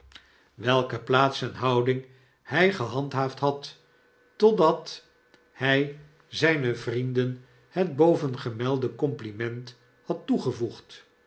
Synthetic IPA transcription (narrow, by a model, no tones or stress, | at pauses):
ʋɛlˠkəplaːtsɛnɦɑwdɪŋ | hɛjχəɦɑntɦaːftɦɑtː | ɔdɑt | hɛj | zɛjnəvrindən | həd̚bowvənχəmɛlˠdəkɔmplimɛnt | hɑtːuχəvuχt